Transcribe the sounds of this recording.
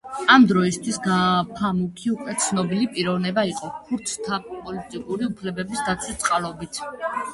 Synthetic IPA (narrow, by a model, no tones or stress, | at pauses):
amd̪ɾɔist̪ʰwisɡapʰamukʰiukʼwɛt̪sʰnɔbilipʼiɾɔvnɛbaiqʼɔkʰuɾt̪ʰt̪ʰapʼɔlit̪ʼikʼuɾiupʰlɛbɛbisd̪at̪sʰɛt̪sʼqʼalˠɔbit̪ʰ